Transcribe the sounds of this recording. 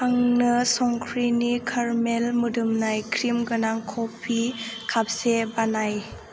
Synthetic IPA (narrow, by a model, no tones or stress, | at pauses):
aŋnɯsɔŋkʰɾinikʰaɾmelmudumnajkʰɾimɡɯnaŋkʰɔpʰikʰap̚sebanaj